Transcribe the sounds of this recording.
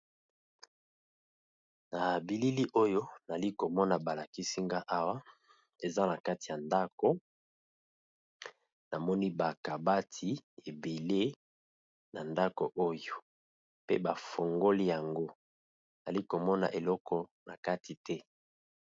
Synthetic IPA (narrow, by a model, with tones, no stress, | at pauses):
na˨bi˨li˦li˦ʔo˦jo˦na˨li˦ko˨mɔ˦na˨ba˨la˨ki˦si˦ŋɡa˦ʔa˦wa˦ | e˨za˦na˨ka˦ti˨a˨nda˦ko˨ | na˨mɔ˦ni˦ba˨ka˨ba˦tʰi˨e˨be˨le˦ | na˨nda˦ko˨ʔo˦jo˨ | pḛ˦ba˨fo˨ŋɡo˦li˦ja˨ŋɡo˦ | na˨li˦ko˨mɔ˦na̰˨ʔe˨lɔ˦kʰɔ˨na˨ka˦ti˨tʰɛ˦